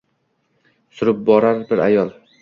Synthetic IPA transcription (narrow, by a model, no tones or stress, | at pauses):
sʊɾɪp̚bɒɾaɾbɪɾajɒlˠ